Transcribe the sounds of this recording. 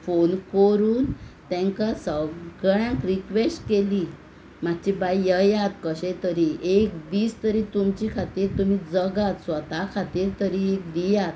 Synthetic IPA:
fonkəɾuːnt̪ɛ̃ŋkasəɡɭjãkɾikʋesʈkeli | mat̪ːt͡ɕibajjəjat̪kəɕẽt̪əɾiʔek̚biːst̪əɾit̪umt͡ɕikʰat̪iːɾt̪umiːd͡zəɡat̪sʋət̪akʰat̪iːɾt̪əɾiek̚d̪ijat̪̚

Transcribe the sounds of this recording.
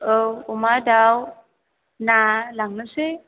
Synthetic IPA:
owumadaw | nalaŋnəse

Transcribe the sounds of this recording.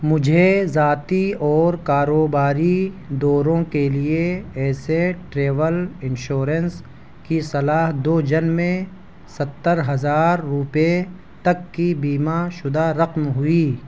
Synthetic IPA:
mʊd͡ʒʱezaːt̪iɔːɾkaːɾoːbaːɾi | d̪ɔːɾõkelieɛːseʈɾeːʋəlɪnʃoːɾəns | kisɐlaːɦd̪oːd͡ʒɐnmẽ | sɐt̪ːəɾɦɐzaːɾːʊpe | t̪ɐkːibiːmaʃʊd̪aɾɐqmɦʊiː

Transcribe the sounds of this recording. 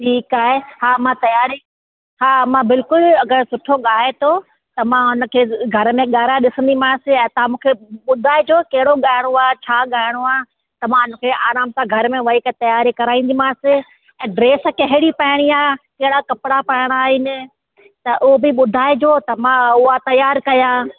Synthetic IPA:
ʈʰiːkaːɦehaːmãt̪ɐjaːɾi | haːmãbɪlkʊlɐɡəɾsʊʈʰoɠaːɦet̪ʰo | t̪ɐmãɦʊnə̆kʰeːɡʱɐɾmẽɠaːɾaɗɪsə̃nd̪imãːsɪɛ̃ːt̪ɐãmũːkʰeɓʊd̪ʱaːɪd͡ʑoːkɐɦɪɽoɠaːɪɽ̃oaːt͡ɕʰaːɠaːɪɽ̃oaː | t̪ɐmãʊnəkʰeʔaːɾaːmsãɡʱɐɾmẽʋɐiːkt̪ɐjaːɾikɐɾaːĩnd̪imãːsɪ | ɛ̃ːɖɾeːskɐɦɪɽipaɦɪɽ̃iaːkɐɦɪɽakɐpɪɽapɐɪɽ̃aːɪnɪ̆ | t̪ɐʔʊɦobɪɓʊd̪ʱaːɪd͡ʑoːt̪ɐmãʊat̪ɐjaːɾkɐjaː

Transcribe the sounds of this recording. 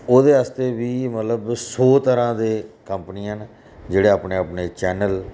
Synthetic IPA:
oːd̪eːəst̪eːʋiːmət̪ləbsɔːt̪əɾãːd̪eːkəmpniːən | d͡ʒeːɽeːaːpneːapneːt͡ʃɛːnəl

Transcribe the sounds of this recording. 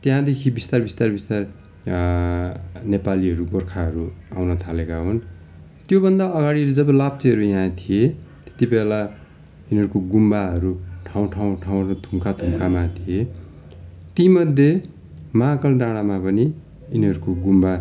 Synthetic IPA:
t̪jɦãd̪ekʰibist̪arbist̪arbist̪ar | nepaliɦʌɾuɡorkʰaɦʌɾuawnʌt̪ʰalekaɦon | t̪jobʌnd̪aʌɡaɽiʌled͡zʌbʌlab̚t͡seɦʌɾujãt̪ʰijet̪e̥t̪ibela | inɦʌɾukoɡumbaɦʌɾuʈʰaw̃ʈʰaw̃ʈʰaw̃t̪umkʰat̪umkʰamat̪ʰije | t̪imʌd̪ʱje | makʌlɖaɽ̃amapʌni | iniɦʌɾukoɡumba

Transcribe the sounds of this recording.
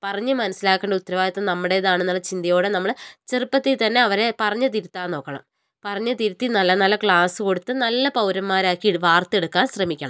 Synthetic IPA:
pɐrɐɲːɨmɐnɐsilaːkːeːɳɖɐut̪ːɐɾɐʋaːjɐt̪ːɨnɐmːuɽe̞jɐðaːɳenːuɭɐt͡ɕind̪ɐjo̞ːɽenɐmːɐɭt͡ɕerɨpːɐt̪ːit̪ɐnːe̞ɐʋɐɾe̞pɐrɐɲːɐt̪iɾut̪ːaːno̞ːkːɐɳɐ̰m | pɐrɐɲːɐt̪iɾut̪ːinɐlːɐnɐlːɐkɭaːsɨko̞ɽut̪ːɨnɐlːɐpɐwɾɐmmaːɾaːkːieɽʋaːrt̪ːe̞ɽukːaːnɕrɐmikʲːɐɳɐ̰m

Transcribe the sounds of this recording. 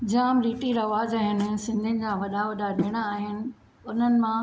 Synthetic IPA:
d͡ʑaːmɾiːʈiɾɐʋaːzaːɦɪnɪ̆sɪ̃nd̪ʱɪnɪ̆d͡ʑãʋɐɗaʋɐɗaɗeːɽ̃aaːɦɪnɪ̆ | ʊn̤ənɪ̆mã

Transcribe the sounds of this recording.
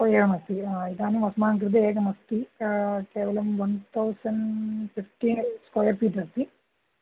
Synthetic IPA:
koːjɐɾɐmɐst̪iiðaːnumɐsɐmaːŋkɾɨd̪̬ɐeːɡɐmɐst̪ikeːʋɐlɐmʋɐnt̪ʰɐwsɐnɖfifʈiskoːjɐrpiːʈɐst̪i

